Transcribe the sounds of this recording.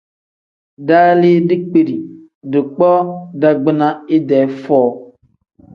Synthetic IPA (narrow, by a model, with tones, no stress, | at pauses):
daː˦li˦dɪ˦k͡pi˨ɾi˨ | dɪ˨k͡pɔ˦da˨ɡ͡bɪ˦na˦ɪ˦dɛ˨˦fɔː˦˨